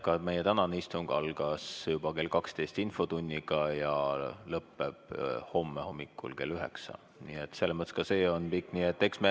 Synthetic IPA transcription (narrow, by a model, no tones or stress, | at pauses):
kɑme̞jet̪ænɑneist̪uŋɡ̥ɑlɡ̥ɑsjub̥ɑke̞ːlkɑkst̪e̞jst̪info̞t̪unʲːiɡ̥ɑjɑlɤpːe̞b̥ho̞mːeho̞mːikːˑṵlke̞lyɦe̞̰ksɑ̰ | niːet̪ːˑse̞lːemɤt̪e̥skɑse̞ːo̞npikːˑniet̪ːe̞ksme